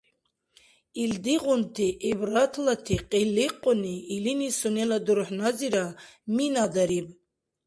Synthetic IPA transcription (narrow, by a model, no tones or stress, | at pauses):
ild̪iʁunt̪ʰiʔɛbɾat̪ʰlat̪ʰiqʼilːiqʼɔniːlinisunɛlad̪uɾħnaziɾaminad̪aɾib